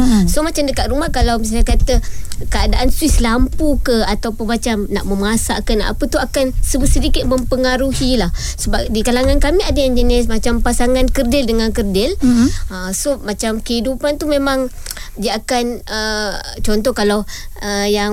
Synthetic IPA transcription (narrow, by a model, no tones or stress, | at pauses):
somat͡ʃamdəkat̪̚ɾumahkalawmis̬ajkat̪əkəadaʔanswislampukəat̪awpʊnmat͡ʃamnaʔməmasakana̰pət̪uakansəbəsədikɪt̪̚mə̃mpəŋaɾuhilahsəbap̚dikalaŋankamiadaand͡ʒənɪs̬mat͡ʃampasaŋankərdɪldəŋankərdɪləsomat͡ʃamkəɦidupant̪umemãŋdiaakanə | t͡ʃɔnt̪ɔhkalawəjaŋ